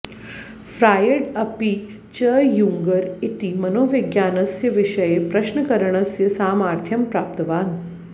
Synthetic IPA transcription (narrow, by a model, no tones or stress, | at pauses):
fɾaːjeɽɐpi | t͡ɕəjuŋɡəɾit̪imɐnoːʋeɡjaːnɐsjɐʋiʃɐjepɾɐʃnəkɐɾəɳ̃ɐsjɐsaːmaːɾt̪ʰjɐmpɾaːp̚t̪ɐʋaːn